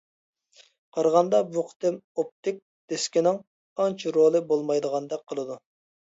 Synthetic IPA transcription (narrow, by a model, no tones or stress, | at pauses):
qʰɑɾʁɑnd̪ɑbuqʰt̪ɪmop̚t̪ɪk̚ʲ | d̪̥ɪskʲinɪŋ | ɑnt͡ʃʰɾolˠɨbolˠmɑjd̪əʁɑnd̪ɛkqʰːəlˠɨd̪u